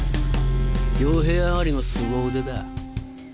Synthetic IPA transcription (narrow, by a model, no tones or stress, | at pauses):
ɡʲoːɦe̞ːamaɾʲinosɨɡoːɯd̪ed̪a